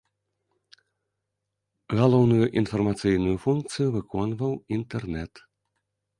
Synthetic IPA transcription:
ɣalˠɔwnujuʔinfɐrmat̪sɨjnujufunkt̪sɨjuvɨkɔnvɐwint̪ɛrnɛt̪

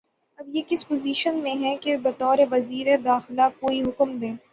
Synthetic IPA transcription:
ɐbjekɪspoziːʃənmẽɦɛ̃kebɐt̪ɔːɾeʋɐziːɾed̪aːxɪlakoːiɦʊkmd̪ẽː

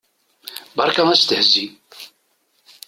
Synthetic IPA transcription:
bɑɾˤkænæst̪əhzːi

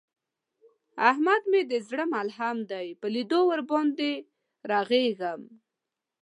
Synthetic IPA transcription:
ahmad̪med̪əzɽəmalɦamd̪ajpəlid̪owəɾbɔnd̪e | ɾɑɣeɡam

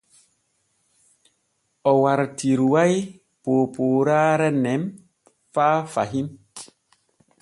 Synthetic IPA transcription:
ɔwaɾtʰiɾwaj | poːpoːɾaːɾɛnɛm | faːfaɦim

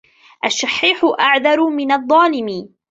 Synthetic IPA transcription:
ʔaʃːɑħːiːħʊʔaʕðɑɾˤʊmɪnɑðˤːɑːlɪmɪ

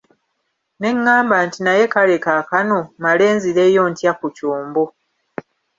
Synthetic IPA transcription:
ne̞ŋːaːmbaːntinaje̞kale̞kaːkanomale̞ːnziɾe̞ːjo̞ːntjakucoːmbo

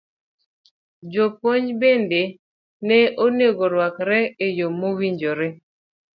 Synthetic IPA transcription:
d͡ʒopoɲbende | nɛʔoneɡoɾwakɾɛejomːowiɲd͡ʒoɾɛ

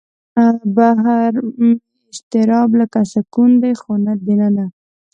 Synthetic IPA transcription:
abaɦaɾm | ɪʃt̪ɪɾɑblakaʃakund̪ajxonad̪ɪnana

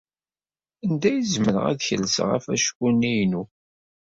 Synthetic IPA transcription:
ænd̪æjəzməɾʁæ̰ðçəlːəsʁa̰fæʃkunːijnu

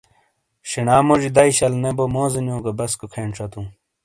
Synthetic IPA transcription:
ɕenaːmod͡ʑid̪ɐiɕɐlnebomoːzinjõːɡɐbɐskokʰeːɳʈ͡ʂɐt̪ũː

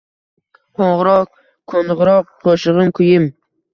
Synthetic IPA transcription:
qʰoɴʁɾɒq̚ | kʰonʁɾɒq̚ːʰoʃɨʁɨmkʰʊjɪm

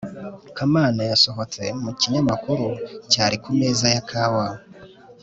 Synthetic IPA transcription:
kamaːnajaso̞ɦo̞t͡se̞muciɲamakuɾucaːɾikume̞ːzajakʰaːwawo

